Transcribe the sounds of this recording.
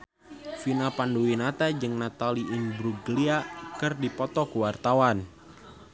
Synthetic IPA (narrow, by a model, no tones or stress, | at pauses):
finapanduwinat̪ad͡ʒɨŋnat̪aliʔɪnbɾuɡəliakərdipɔt̪ɔkuwart̪awan